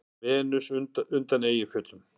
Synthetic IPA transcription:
vɛːnʏsʏnt̪aneːjɪfʏt̪lʏm

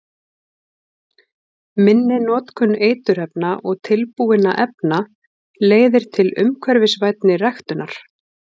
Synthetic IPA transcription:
mɪnːɪnɔːt̪kʰʏnːeːjt̪ʏɾ̥ɛpnaʔɔɣt̪ʰɪlpuːɪna̰ʔɛpna | leːjðɪɾ̥t̪ʰɪlʏ̰mkʰvɛɾvɪsvajt̪nɪrɛxt̪ʏnːaɾ̥

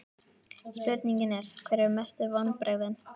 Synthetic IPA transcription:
spʏɾt̪niɲcɪnɛɾ̥kʰvɛɾɛɾmɛst̪ɪvan̚pɾɛɣðɪn

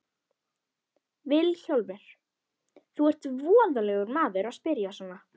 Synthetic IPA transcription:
vɪlçowlvɪɾ̥ | θuɛr̥t̪vɔːðalɛɣʏɾmaːðʏɾaspɪɾjasɔna

